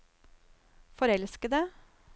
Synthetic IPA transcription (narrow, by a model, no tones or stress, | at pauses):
fɔɾɛlskəd̪ə